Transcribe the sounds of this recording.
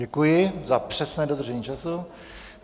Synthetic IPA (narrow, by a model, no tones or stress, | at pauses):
ɛkujɪzapr̝̥ɛsnɛːdod̪r̩ʒɛɲiːt͡ʃasu